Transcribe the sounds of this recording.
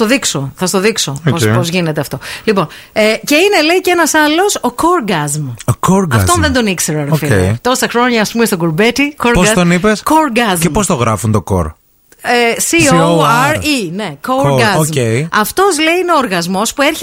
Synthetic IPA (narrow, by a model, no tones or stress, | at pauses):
t̪oðiksoθɐst̪oðikso̞popozʝine̞t̪eɐft̪o̞lipo̞nece̞ine̞le̞icenɐsɐlo̞soko̞ɾɡɐzmokoɾɡɐft̪onðend̪o̞nikseɾɐɾofiet̪o̞ɾɐst̪ɐxɾo̞ɲɐːspumest̪oɡoɾbet̪ikoɾpoɡɐt̪onipeskoɾɡɐzepost̪oɣɾɐfunt̪o̞ko̰ɾ | esioɾine̞koɾɡɐzoeiɐft̪o̞zle̞iineoːɾɣɐzmo̞spue̞ɾçe